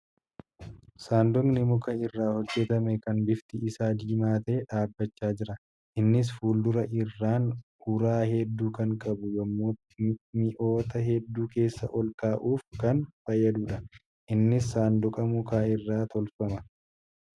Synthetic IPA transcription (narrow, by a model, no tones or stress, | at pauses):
saːnd̪ɔŋnɪmʊkɐɪrːaːhɔd͡ʒːɛt̪ɐmɛkɐnbɪft̪ɪʔɪsaːd͡ʒiːmaːt̪ɐeːᶑaːbːɐt͡ʃːaːd͡ʒɪɾɐ | ʔɪnːɪs̬fuːld̪ʊɾɐʔɪrːaːnhʊɾaːɦɛd̪ːuːkɐŋkʼɐbʊjɔmːot̪ɪmɪʔo̞ːt̪ɐɦɛd̪ːuːke̞ːsːɐ̰ʔɔlkaːʔuːfkɐnfɐjːɐd̪uːᶑɐ | ʔɪnːɪsːaːnd̪ʊkʼɐmʊkaːɪrːaːt̪ɔlfɐmɐ